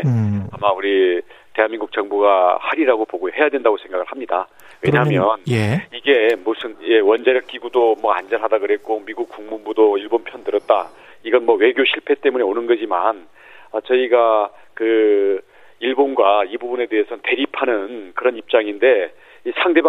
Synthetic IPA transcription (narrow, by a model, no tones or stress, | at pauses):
amauɾi | te̞ɦanminɡuk̚t͡ɕ͈ʌŋbuɡahaɾiɾaɡopoɡohe̞jadwe̞ndaɡosʰe̞ŋɡaɡɯɭhamɲida̰ | weɲamjʌnjiɡe̞musʰɯnje̞wʌnd͡ʑaɾjʌk͈̚iɡudomwʌa̰nd͡ʑʌnɦadakɯɾe̞k͈omiɡuk͈uŋmumbudoiɭbonpʰjʌndɯɾʌt̚t͈a | iɡʌnmʌwe̞ɡjoɕʰiɭpʰe̞t͈e̞mune̞onɯnɡʌd͡ʑiman | ʌt͡ɕʌiɡa | kɯ | iɭbonɡwaibubune̞de̞ɦe̞sʰʌnte̞ɾipʰanɯnkɯɾʌnip̚t͡ɕ͈aŋinde̞ | isʰaŋde̞ba